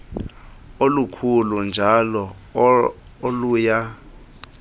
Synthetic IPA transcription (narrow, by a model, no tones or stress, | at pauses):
olukʰulund͡ʒʱalɔ | oluja